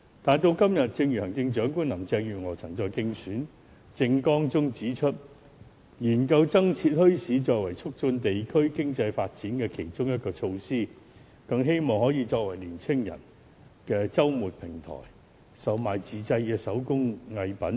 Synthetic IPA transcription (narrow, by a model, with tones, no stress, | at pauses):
t̪aː˨nt̪o˧wkɐ˥mjɐ˨t̚t͡sɪ˧ŋɥyː˨˩hɐ˨˩ŋt͡sɪ˧ŋt͡ʃœː˨˥ŋkuː˥nlɐ˨˩mt͡sɛː˧ŋjyː˨˩ŋɔː˨˩t͡sʰɐ˨˩ŋt͡sɔː˧jkɪ˧ŋsyː˨˥n | t͡sɪ˧ŋkɔː˥ŋt͡sʊ˥ŋt͡siː˨˥t͡ʃʰɵ˥t̚ | jiː˨˩nkɐ˧wt͡sɐ˥ŋt͡sʰiː˧t̚hɵ˥ɥsiː˨˥t͡sɔː˧k̚wɐ˨˩jt͡sʰʊ˥k̚t͡sɵ˧nt̪e˨jkʰɵ˥ɥkɪ˥ŋt͡sɐ˧jfaː˧t̚t͡siː˨˥nkɛː˧kʰe˨˩jt͡sʊ˥ŋjɐ˥t̚kɔː˧t͡ʃʰo˧wsiː˥ | kɐ˧ŋɦe˥jmɔː˨ŋhɔː˨˥jiː˧t͡sɔː˧k̚wɐ˨˩jliː˨˩nt͡sʰɪ˥ŋjɐ̰˨˩n | kɛː˧t͡sɐ˥wmuː˨t̚pʰɪ˨˩ŋt̪ʰɔ̰ː˨˩j | sɐ˨wmaː˨jt͡siː˨t͡sɐ˧jkɛː˧sɐ˨˥wkʊ˥ŋŋɐ˧jpɐ˨˥n